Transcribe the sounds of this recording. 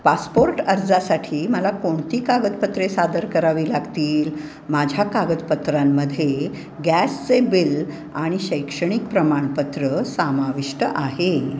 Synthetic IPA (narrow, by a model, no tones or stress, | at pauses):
paspoɾʈəɾd͡zasaʈʰiːməlakoɳt̪iːkaɡət̪pət̪ɾesad̪əɾkəɾaʋiːlaɡt̪iːl | mad͡ʑʱjakaɡət̪pət̪ɾamːəd̪ʱːje | ɡæst͡sebil | aɽ̃iɕəjkʂəɽ̃ik̚pɾəmaɳpət̪ɾəsamaʋiʂʈəʔaɦe